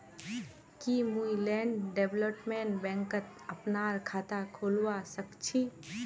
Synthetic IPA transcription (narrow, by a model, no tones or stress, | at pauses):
kimuilɛːɳɖɖeːbləpmẽːɳʈbɛ̃ːŋkət̪ | ɐpnaːɾkʰaːt̪akʰoːlwasəkt͡ʃʰi